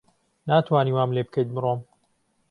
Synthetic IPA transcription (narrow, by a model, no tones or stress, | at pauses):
naːt̪ʰwaːniwaːmlebɨkʰejt̪̚bɨrom